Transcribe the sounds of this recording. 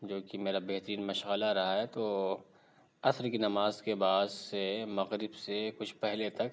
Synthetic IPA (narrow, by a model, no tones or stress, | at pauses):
d͡ʒoːkimeːɾabeɦt̪əɾiːnmɐʃɣəlaɾɐɦaɦɛt̪oː | ɐsɾkinɐmaːzkebaːd̪semɐɣɾɪbsekʊt͡ʃʰpɛɦlet̪ɐk